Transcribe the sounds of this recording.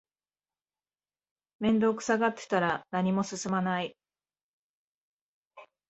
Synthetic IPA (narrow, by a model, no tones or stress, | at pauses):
mẽ̞nd̪o̞ːkɯ̟̥saɡat̪ːe̥t̪aɾanaɲ̟imo̞sɨsɨmanai